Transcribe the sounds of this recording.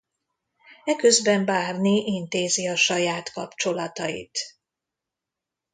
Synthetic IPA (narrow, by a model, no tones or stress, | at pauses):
ɛkø̞zbɛɱbaːrniʔint̪eːziɒʃɒjaːt̪kɒpt͡ʃo̞lɒt̪ɒjḭt̪